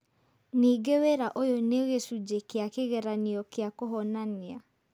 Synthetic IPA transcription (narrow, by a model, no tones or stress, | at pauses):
niːɡewɛɾaʔojoneɣesud͡ʒekeakeɣɛɾaniɔkeakoɦɔnanea